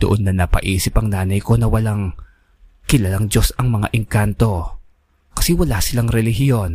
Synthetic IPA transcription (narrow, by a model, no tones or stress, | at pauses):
d̪̥oʔonːɐnɐpɐ̰ʔiːsɪpɐŋnaːnɐjko̞nɐwɐlaŋ | kɪlaːlaŋd͡ʒo̞sɐŋmɐŋa̰ʔɪŋkant̪o̞ | kɐ̥sɛwɐlaːsɪlaŋɾɛlɪɦɪjo̞n